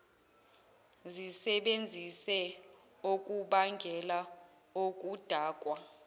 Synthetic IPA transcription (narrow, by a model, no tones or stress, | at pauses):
zisɛɓend͡zʱisɛ | okʼuɓaŋɡʱɛla | ok̬ʼud̥ʱaːkʼwa